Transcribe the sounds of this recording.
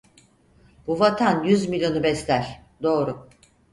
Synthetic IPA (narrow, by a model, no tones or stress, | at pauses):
b̥uvat̪ʰanjyzmilʲjo̞nubɛslʲæɾ̥d̪o̞ːɾu